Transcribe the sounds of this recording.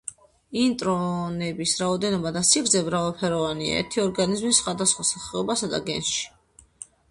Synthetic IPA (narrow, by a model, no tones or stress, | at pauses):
int̪ʼɾɔnɛbisɾaɔd̪ɛnɔbad̪asiɡɾzɛbɾavalˠpʰɛɾɔvania̰ɛ̰ɾt̪ʰiɔɾɡanizmisχwad̪asχwasaχɛɔbasad̪a̰ɡɛ̰nʃi̥